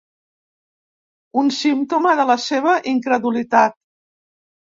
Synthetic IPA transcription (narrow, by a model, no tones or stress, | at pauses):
unsimt̪oməðələseβ̞əʔiŋkɾəðulit̪at̪̚